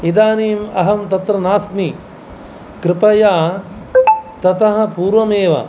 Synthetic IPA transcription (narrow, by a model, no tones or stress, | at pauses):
id̪aːniːmɐ̰ɦɐmt̪ɐt̪ɾɐnaːsmi | kɾɪpɐjaː | t̪ɐt̪ɐɦɐ̆puːɾʋɐmeːʋɐ̰